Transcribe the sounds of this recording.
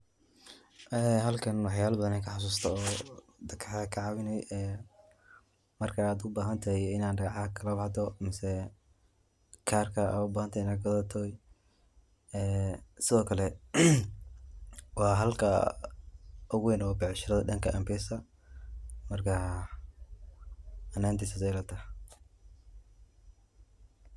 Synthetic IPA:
ʔɛːɦɐlkʰɐnwɑħjaːlɐbɐðɐnɛŋkʰɐħɑs̬uːst̪ʰɐɔː | d̪ɐkʰɐħðɐkʰɐʕɑwɪnɛjɛː | mɐrkʰɐːd̪ʊbaːɦɐnt̪ʰɐɛjɪnaːnɖɐɣɑʕɑkʰɐlɐbɑħd̪ɔmɪsɛ | kʰaːrkʰɐa̰ːd̪ʊbaːhɐnt̪ʰɐɪnɐɡɡɐðɐt̪ʰɔːj | ɛːsɪðɔːkʰɐlɛ | wɑːɦɐlkʰɐ | ʔʊɣwɛnɔːbɛʕʃɪɾɐðɐdɐŋkʰɐʔɐmbɛsɐ | mɐrkʰɐ | ɐnaːnt̪ʰisɐdɛlɐt̪ʰɐ

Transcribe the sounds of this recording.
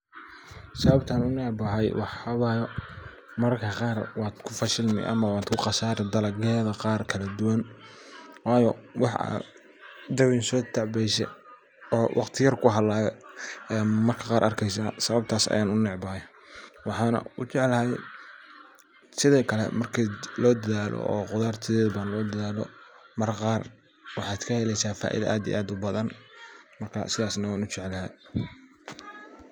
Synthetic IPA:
sɐβɐbt̪ʰɐnʊnɛʕbɐɦɐjwɑħɐβaːjɔ | mɐrkʰɐqɑːrwɑːd̪kʰʊfɐʃɪlmɪ̰ʔɐ̰mɐwɑːd̪kʰʊqɑsaːɾɛd̪ɐlɐɡɛːðɐqɑːrkʰɐlɐd̪ʊwɐn | wɑːjɔwɑħa̰ | d̪ɐwinsɔːt̪ʰɑʕbɛjsɛ̰ | ɔːwʔɑqt̪ʰɪjɐrkʰʊɦɐlaːjɛɛmɐrkʰɐqɑːɾʔɐ̰rkʰɛjsaːsɐβɐb̚t̪ʰaːsɐ̰jaːnʊnɛʕbɐhj | wɑħɑːnɐ̰ʊ̰t͡ʃɛʕlɐhɛj | sɪðɔːkʰɐlɛ̰mɐrkʰilɔːd̪ɐðaːlʔɔ̰ɔːqʊðaːrt̪ʰɪðɛːðɐbanlɔːd̪ɐðaːlɔ̰mɐrqɑːr | wɑħɑːd̪kʰɐhɛlɛjsaːfa̰ːʔḭðɐ̰ʔaːd̪ḭj̰ʔaːd̪ʊbɐðɐnmɐrkʰɐ̰sɪðaːsnɐwaːnʊt͡ʃɛʕɛlɐɦɛj

